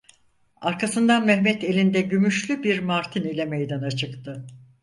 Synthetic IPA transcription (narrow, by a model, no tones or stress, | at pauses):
aɾkʰasɯnd̪anmɛhmɛt̪elʲind̪ɛɟymyʃlʲybiɾmaɾt̪ʰinilʲɛmejd̪anat͡ʃʰɯkt̪ʰɯ